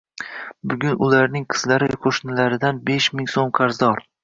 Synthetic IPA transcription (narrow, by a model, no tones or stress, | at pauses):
bʊɡʲʊnʊlaɾnɪŋqʰɨ̥zlaɾɪqʰoʃnɪlaɾɪd̪anbeʃmɪŋsomqʰɑɾzɒɾ